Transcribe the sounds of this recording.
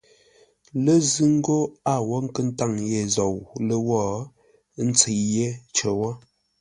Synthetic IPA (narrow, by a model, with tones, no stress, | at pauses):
lə˦zɨ˦ŋ˦ɡo˦a˦˨wɔ˦ŋ̩˦kə˦n̩˦ta˦˨ŋje˨zɔ˨wlə˦wɔ˦˨˦ | n̩˦t͡se˨je˦t͡ʃə˨wɔ˦